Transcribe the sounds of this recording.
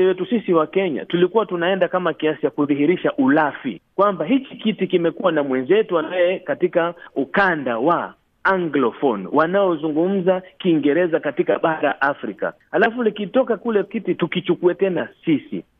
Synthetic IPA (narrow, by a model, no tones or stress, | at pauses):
ɛwɛtusisiwakɛɲa̰tulikuwatunaɛndakamakiasit͡ʃakuðiɦiɾiʃaʔulafḭkwambaɦikikitikimɛkuwanamwɛnzɛtuwanajɛkatikaukandawa | aŋɡlɔfɔnwanaɔzuŋɡum̩zakiːŋɡɛɾɛzakatikaɓaɾa̰ʔafɾika̰halafulikitɔkakulɛkititukit͡ʃukuɛtɛnasisḭ